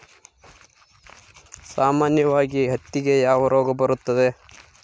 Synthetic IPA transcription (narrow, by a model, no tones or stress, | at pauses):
saːmaːnjɐʋaːɡiɦɐt̪ːiɡe̞jaːʋɐɾoːɡɐbɐɾut̪ːɐd̪e